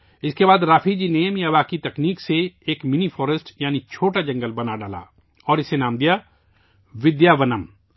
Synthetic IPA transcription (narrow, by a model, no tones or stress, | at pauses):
ɪskebaːd̪ɾaːfʰid͡ʒiːneːmjaʋaːkit̪ɐkniːkseeːkmɪnipʰɔːɾəsʈjaːnit͡ʃʰoːʈad͡ʒə̃ŋɡəlbɐnaɖaːla̰ː | ɔːɾɪsenaːmd̪ija | ʋɪd̪jaːʋənəm